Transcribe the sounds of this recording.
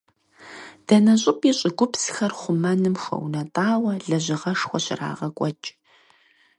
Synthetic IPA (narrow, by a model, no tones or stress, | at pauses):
d̥ɐnɐɕʼɪpʼiːɕʼɪɡʷʊpsxɐrχʷʊmɐnɨmxɐ̰wnɐtʼaːwɐɮɐʑɪʁɐʂxʷɔɕɪra̰ːʁɐkʷʼɔt͡ʃʼ